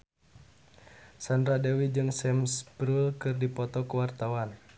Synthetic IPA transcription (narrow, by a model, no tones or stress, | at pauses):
sandɾadɛwid͡ʒɨŋsɛmsbɾulkɨrdipɔt̪ɔkəwart̪awan